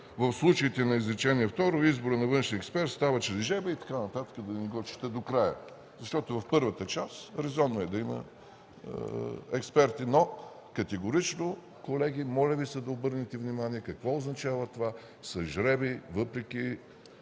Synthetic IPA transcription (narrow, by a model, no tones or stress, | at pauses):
vəfslˠut͡ʃəit̪ɛnɐizɾit͡ʃɛniɛft̪ɔɾoizboɾənɐvɤnʃniɛkspɛɾt̪st̪avət͡ʃɾɛzʒɛbəit̪ɐ̥kanɐt̪at̪ə̥kəd̪ɐniɡɔt͡ʃi̥t̪ɛd̪okɾajə̰ | zɐʃt̪ɔt̪ʊvɐfpɤɾvət̪ət͡ʃasɾɛzɔnːoɛd̪ɐimə̰ | ɛkspɛɾt̪ino | kɐt̪ɛɡoɾit͡ʃno | kolɛɡ̟ʲimɔlʲəvisəd̪ɐobɤɾnɛt̪ɛvnimaniɛkɐkvɔoznɐt͡ʃavət̪ova | sɐʒɾɛbivɤpɾɛk̟i